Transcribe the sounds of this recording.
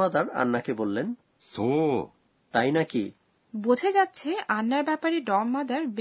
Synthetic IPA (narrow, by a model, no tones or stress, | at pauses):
ad̪aɾa̰nːakebolːen | so | t̪ajnaki | bod͡ʑʱed͡ʑatːɕʰeʔanːaɾbɛpaɾeɖɔmːad̪aɾb